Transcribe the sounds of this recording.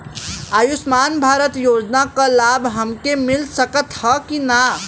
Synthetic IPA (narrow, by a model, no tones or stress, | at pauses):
əjusmaːnbʱaːɾət̪joːd͡ʒnakãlabɦəmkemilsəkət̪həkina